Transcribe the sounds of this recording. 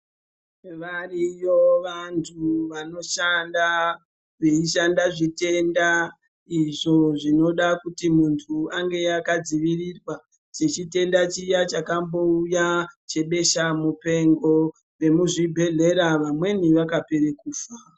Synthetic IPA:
ʋarijoʋantʰuʋano̞ʃanda | reiʃandaʐite̞nda | iʐo̞ʐino̞ɗakutimuntʰuaŋɡe̞akad͡ziʋirirwa | t͡ʃet͡ʃite̞ndat͡ʃijat͡ʃakambo̞ujat͡ʃe̞ɓe̞ʃamupe̞ŋɡo̞ | ʋe̞muʐibʱe̞ɮe̞ɾaʋamwe̞niʋakapeɾekuːfa

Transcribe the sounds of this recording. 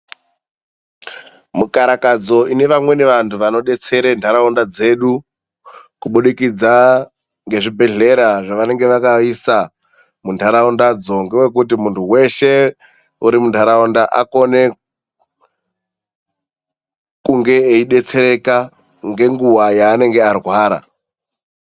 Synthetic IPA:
mukaɾakad͡zo̞ine̞ʋamwe̞neʋantʰuʋano̞ɗe̞t͡se̞ɾentʰaɾaundad͡ze̞ːɗu | kuɓuɗikid͡za | ŋɡe̞ʐibʱe̞ɮe̞ɾaʐaʋane̞ŋɡe̞ʋakaisa | mundʱaɾaundad͡zo̞ŋɡewe̞k̬ut̬imuntʰuwe̞ʃe̞ | uɾimundʰʱaɾaundaʔako̞ne̞ | kuŋɡe̞ːiɗe̞t͡se̞ɾeka | ŋɡe̞ŋɡuwajaːne̞ŋɡearwwaːɾa̰

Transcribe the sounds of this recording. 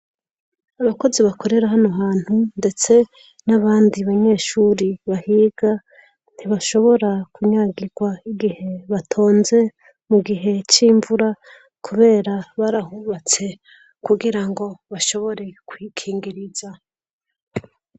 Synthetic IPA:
aβako̞ziβakʰo̞ɾe̞ɾaɦanoɦaːn̥hunde̞t͡se̞ | naβaːndiβaɲe̞ːʃuɾiβahiːɡ̥a | n̥hiβaʃo̞βo̞ɾakuɲaɡiɡwaiɡihe̞βatʰo̞ːnze̞ | muɡiɦe̞t͡ʃiːɱvuɾa | kʰuβe̞ːɾaβaɾahuβat͡se̞ | kuɡiɾaŋɡo̞βaʃo̞βo̞ɾe̞kwiːkʰiːŋɡiɾiza

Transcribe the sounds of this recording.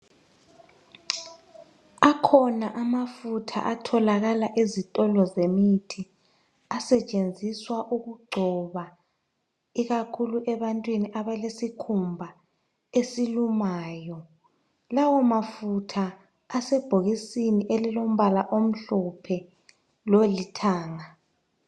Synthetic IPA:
akʰɔnaʔamafutʰa̰ʔatʰɔlaɣalaʔizitʼɔlɔzemitʰi | asɛt͡ʃʼend͡zʱiswaʔuɣuɡ͡ǃʱɔβa | iɣakʰuluʔɛβantʼwiniʔaβalesikʰumbʱa | esilumaːjɔ | lawɔmafutʰaː | sɛb̥ʱoɣisiniʔelilom̩βalaʔom̩ɬɔpʰɛ | lolitʰaːŋa

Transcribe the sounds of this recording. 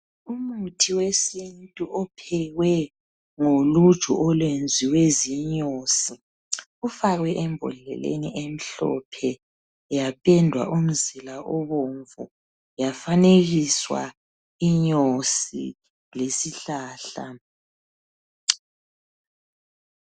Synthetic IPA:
umutʰiwesintʼuʔɔpʰɛɣwɛ | ŋolu̥ʒ̥ʱṵʔɔlwend͡zʱiweziɲosi | ufaɣwɛʔɛmbʱɔ̰lɛ̰lḛniʔem̩ɬɔ̰pʰɛ | japʰʼɛndʱwa̰ʔum̩zilaʔɔβoɱvu | jafaneɣiswa̰ | iɲosḭ | lesiɬaːɬa̰

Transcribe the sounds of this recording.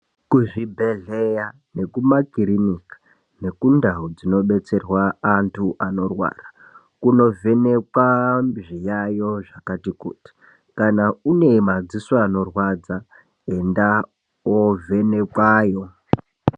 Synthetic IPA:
kuʐibʱe̞ɮeja | ne̞kumakiɾinikḁ | ne̞kundaud͡zino̞ɓe̞t͡se̞rwaːntʰuʔano̞rwa̰ːra | kuno̞vʱe̞ne̞kwaʐijajo̞ʐakatikṵːti̥ | kanaune̞mad͡zisaːno̞rwaːd͡za | enda | ovʱe̞ne̞kwaːjo̞

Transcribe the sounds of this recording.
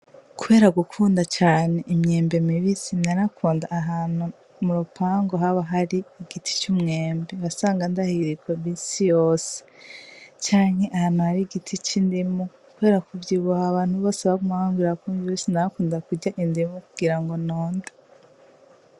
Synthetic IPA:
kuβe̞ːɾaɡukʰuːndat͡ʃaːne̞ʔimɲe̞ːmbemiβisinaɾakʰuːndaʔːɦaːnu | muɾupʰaːŋɡoɦaβaɦaɾiːɡ̥itʰi̥t͡ʃumŋeːmbeβasaːŋɡandahiɾiɡwoβiːnsijoːse̥ | t͡ʃaːɲ̥he̞ʔahaːn̥huhaɾiɡitʰit͡ʃindimu | kuβe̞ːɾakuvɟiβuhaβaːn̥huβoːseβaɡumahaːŋɡiɾakuːniβisinaɾakuːndakuɟaʔindimukuɡ̥iɾaŋɡo̞noːndḁ

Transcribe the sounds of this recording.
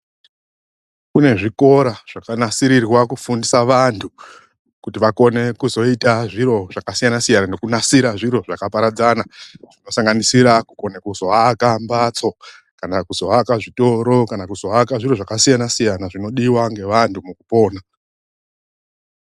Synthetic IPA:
kune̞ʐiko̞ɾaʐ̥akanasiɾirwakufundisaʋantʰu | kutiʋako̞ne̞kuzo̞itaʐiɾo̞ʐ̥akasijanasijananokunasiɾaʐiɾo̞ʐakapaɾad͡zanaʐ̥ino̞saŋɡanisiɾakuko̞nekuzo̞akambat͡so̞ | kanakuzo̞akaʐito̞ɾo̞kanakuzo̞akaʐiro̞ʐakasijanasijanaʐino̞ɗiwaŋɡe̞ʋantumukupo̞ːna

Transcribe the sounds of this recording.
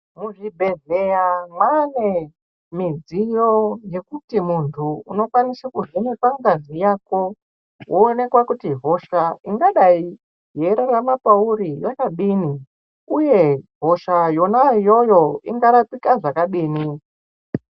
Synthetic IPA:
muʐibʱeɮejamwane | mid͡zijoje̞kutimuntʰuːno̞kwanisakuʐene̞kwaŋɡazijaːko̞ | wʔoːne̞kwakutivʱo̞ʃaiŋɡaɗai | ɦe̞ɾaramapauɾijakaɓiːni | uje̞vo̞ʃajo̞najo̞jo̞iŋɡaɾapikaʐakaɓiːni

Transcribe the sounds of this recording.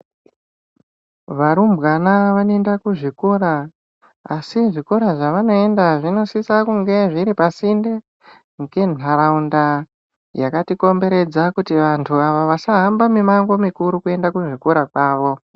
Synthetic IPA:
ʋaɾumbɣanaʋanoendakuʐikoɾa | asiʐikoɾaʐaʋano̞e̞ndaʐino̞sisakuŋɡe̞ʐiɾipasinde | ŋɡe̞naɾaunda | jakatiko̞mbe̞ɾe̞d͡zakutiʋantʰuaʋoʋasaɦambamimaŋɡo̞mikuɾukue̞ndakuʐikoɾakwaːʋo̞

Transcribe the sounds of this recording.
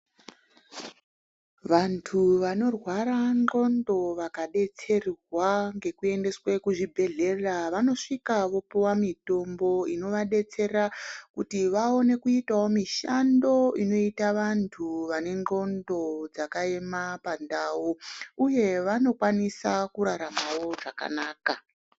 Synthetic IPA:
ʋantʰuʋano̞rwaɾano̞ndo̞ʋakaɗe̞t͡se̞rrwaŋɡe̞kue̞nde̞swekuʐibʱe̞ɮe̞raʋano̞ʂikaʋo̞piwamito̞mbo̞ino̞ʋaɗe̞t͡se̞rakutiʋao̞ne̞kuitawo̞miʃando̞ino̞itaʋantʰuʋane̞ŋŋ͡ǃo̞ndo̞d͡zakaemapandawuuje̞ʋano̞kwanisakuɾaɾamawo̞ʐaka̰naːka

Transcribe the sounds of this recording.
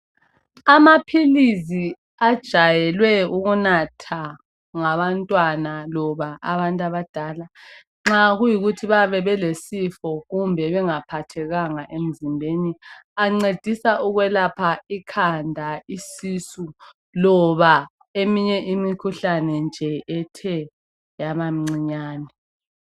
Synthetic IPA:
amapʰilizi | ad̥ʒ̥ʱajɛlwɛuɣunatʰa | ŋaβantʼwanalɔβaʔaβantʼaβad̥ʱaːla | ŋ͡ǁaɣujiɣutʰiβaβɛβɛlesifɔɣumbʱɛβɛŋapʰatʰɛɣaŋaʔem̩zimbʱeniaŋ͡ǀed̥ʱisaʔuɣwɛlapʰaikʰandʱaisisu | lɔβa | emiɲɛʔimikʰuɬanɛnd͡ʒʱɛʔɛtʰɛ | jamamŋ͡ǀiɲaːnɛ

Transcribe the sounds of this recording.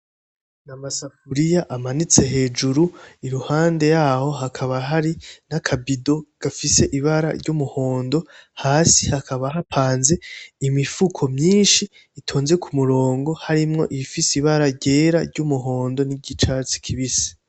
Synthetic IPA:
namasafuɾijaʔamanit͡se̞ɦe̞ːd͡ʒuɾuiɾuhaːnde̞jaːhoɦakʰaβaɦaɾinakʰabido̞ɡ̥afise̞ʔiβaɾa̰ɾɟumuho̞ːndo̞haːsi̥hakʰaβaɦapʰaːnze̞imifukʰo̞mɲiːnʃiː | tʰo̞ːnze̞kʰumuɾo̞ːŋɡo̞haɾimŋo̞̰ʔifisiβaɾaɟe̞ːɾaɾɟumuɦo̞ːndo̞niɟit͡ʃat͡si̥kʰiβisi̥

